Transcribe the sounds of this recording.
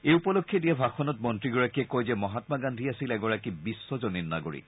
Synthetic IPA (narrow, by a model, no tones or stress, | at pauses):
eupɔlokʰːɛdijabʱaxɔnɔt̚mɔntɹiɡɔɹakiɛkojzɛmɔɦatmaɡandʱiasilɛɡɔɹakibisːɔzɔnina̰ɡoɹḭk